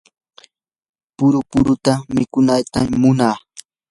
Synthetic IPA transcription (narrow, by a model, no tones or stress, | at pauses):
pʊɾʊpʊɾʊt̪amɪkʊnajt̪ammʊnaː